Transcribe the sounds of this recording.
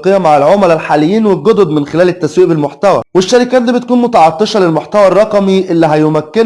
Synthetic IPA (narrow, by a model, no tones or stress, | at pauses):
qejæmaʕalʕomælælħaːlejːiːnwelɡod̪od̪mɪnxelæːlɪt̪ːæswiːʔbelmoħt̪æwæ̰weʃːæɾikæːt̪̚d̪iːbet̪kuːnmot̪ɑʕɑt̪ˤːeʃɑlelmoħt̪æwærˤːɑqɑmiʔelːiɦæjomækːen